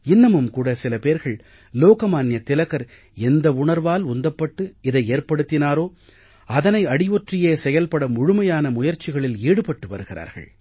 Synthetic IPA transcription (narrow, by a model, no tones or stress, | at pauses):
ɪnːɐmɯmkuːɽɐsɪlɐpeːɾɣɐɭ | loːkɐmaːnjɐt̪ːɪlɐɣɐɾ | ɛnd̪ɐʊɳɐɾʋaːlʊnd̪ɐpːɐʈːɯɪðɐɪeːɾpɐɽɯt̪ːɪnaːɾoː | ɐðɐnɐɪɐɽɪʋɔʈrɪjeːsɛjɐlpɐɽɐmʊɻʊmɐjaːnɐmʊjɐɾt͡ʃɪɣɐɭɪliːɽɯpɐʈːɯʋɐ̰ɾɯɣɪɾa̰ːɾɣɐ̰ɭ